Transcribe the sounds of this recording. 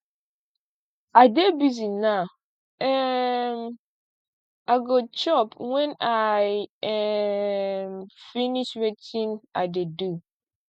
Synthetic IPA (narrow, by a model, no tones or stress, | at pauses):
adebizina | ɛm | aɡot͡ʃɔpwɛnajɛ | mfiniʃɾetʰĩnadedu